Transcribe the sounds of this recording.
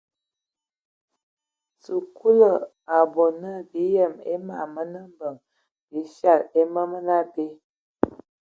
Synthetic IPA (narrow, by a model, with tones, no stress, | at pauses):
su˨ku˦lə˨ | a˨bo˨nə˦bi˨˦jə˦˨mḛ˦ma̰˨mə˦nə˦m˦bə˨ŋ | bi˨˦ʃa˦˨le˦mə˦mə˦na˦be˦